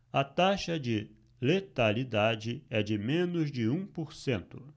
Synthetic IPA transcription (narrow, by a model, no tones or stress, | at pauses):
ɐt̪aʃɐd͡ʒɪ | let̪alid̪ad͡ʒɪɛd͡ʒɪmẽnʊzd͡ʒɪũpoɾsẽnt̪ʊ